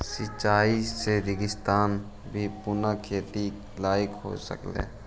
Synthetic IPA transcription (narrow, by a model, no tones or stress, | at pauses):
sɪt͡ʃaːiseɾɪɡɪst̪aːn | bʱipʊnakʰeːt̪i | laːɪkɦo̰sə̰klḛː